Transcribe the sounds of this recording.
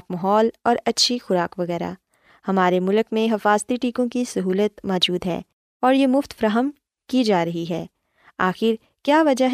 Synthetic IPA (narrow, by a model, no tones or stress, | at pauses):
kmɐɦɔːlɔːɾɐtːʃʰixʊɾaːkʋɐɣɛːɾa̰ | hɐmaːɾemʊlkmẽɦɐfaːzt̪iʈiːkõkisɐɦuːlət̪mɔːd͡ʒuːd̪ɦɛ̰ː | ɔːɾjemʊft̪fɾaːɦəm | kid͡ʒaːɾɐɦiɦɛː | aːxɪɾ | kjaːʋɐd͡ʒəɦ